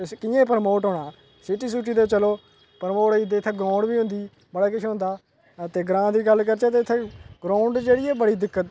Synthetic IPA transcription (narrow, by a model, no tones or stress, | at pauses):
kɪjẽːpəɾmoːʈɦoːɽaː | sɪʈiːsuːʈiːd̪eːt͡ʃəloː | pəɾmoːʈid̪eːt̪ʰːeːɡɾãːʊɳɖbiːʊ̃nd̪iː | bəɽaːkɪt͡ʃʰːʊ̃nd̪aː | t̪eːɡɾãːd̪iːɡəlkəɾt͡ʃaːt̪eːt̪ʰːeːɡɾaːʊɳɖd͡ʒeːɽiːɛːbəɽiːd̪ɪkːət̪